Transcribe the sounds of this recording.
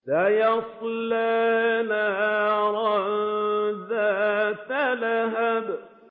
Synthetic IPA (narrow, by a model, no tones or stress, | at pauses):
lajɑsˤlːanaɾˤɑ | ðat̪alaɦab